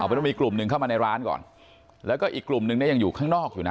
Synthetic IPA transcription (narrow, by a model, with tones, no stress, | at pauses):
ʔptɔ˥˩miː˧˩klu˨˩mnɯ˧ŋʰa˥˩maː˧na˧jɾaː˦˥nkɔ̰ː˨˩n | lɛː˦˥wkɔː˥˩ʔiː˨˩kːlu˨˩mnɯ˧ŋni˥˩˨ja˧ŋjuː˨˩kʰaː˥˩ŋnɔː˥˩k̚juː˨˩na˦